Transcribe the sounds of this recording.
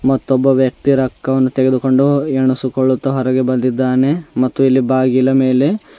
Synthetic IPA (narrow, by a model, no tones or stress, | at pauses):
mɐt̪ːɔbːɐʋjɐk̚t̪iɾɐkːɐʋɐnːut̪eɡe̞d̪uko̞ɳɖueɳusukoɭːut̪ːɐɦɔɾɛɡe̞bɐnd̪id̪ːaːne̞mɐt̪ːuilːibaːɡilɐme̞ːle̞